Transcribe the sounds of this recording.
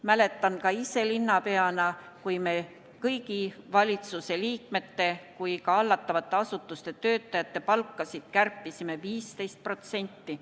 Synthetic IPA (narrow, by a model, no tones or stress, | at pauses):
mæle̞t̪ːˑɑnkɑise̞linːɑpe̞ɑnɑ | kujme̞ | kɤjɡivɑlʲit̪suse̞liːk̚me̞t̪ːe̞kujkɑɑlːɑt̪ːˑɑvɑt̪ːˑe̞ɑsut̪ːˑust̪e̞t̪ø̞ːt̪ˑːɑjɑt̪ːe̞pɑlkːˑɑsid̪̥kærpːˑisime̞viːst̪e̞jst̪̚pro̞t̪se̞nʲt̪ːi